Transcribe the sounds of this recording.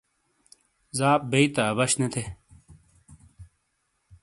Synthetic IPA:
zaːp̚beit̪aːbɐɕnɐt̪ʰe

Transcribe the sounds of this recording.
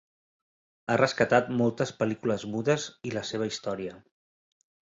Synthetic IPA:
arəskət̪at̪mɔlˠt̪əspəlikuləzmuðəziləseβ̞əist̪ɔɾiə

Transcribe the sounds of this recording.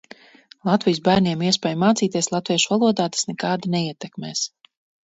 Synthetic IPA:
lˠat̪vijus̬bæːɾniɛmiɛspɛːjmaːt̪siːt̪iɛslˠat̪viɛʃuvalˠuɔd̪aːt̪ḁsnɛkaːd̪anɛiɛt̪ɛkmɛːs

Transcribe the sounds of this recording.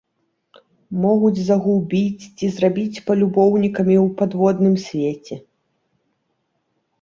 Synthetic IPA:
mɔɣud͡zʲzɐɣubʲit͡sʲt͡sʲizrabʲit͡sʲpɐlʲubɔwnʲikɐmʲiwpad̪vɔd̪nɨmsʲvʲet͡sʲɛ

